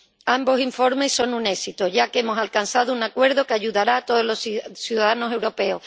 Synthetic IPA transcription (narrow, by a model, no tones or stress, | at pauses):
ambo̞siɱfo̞ɾme̞so̞nune̞sit̪oʝakemo̞salkansaðounakwe̞ɾðo̞keaʝuðaɾaːt̪o̞ðozlossjuðaðanose̞wɾo̞pe̞oh